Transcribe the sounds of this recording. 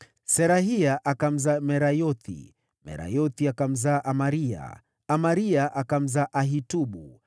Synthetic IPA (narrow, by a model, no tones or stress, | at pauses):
sɛɾaɦiaʔakam̩zamɛɾajɔt̪ʰḭ | mɛ̰ɾa̰jɔt̪iakam̩zaːʔamaɾia̰ | amaɾiaʔakam̩zaʔaɦituɓu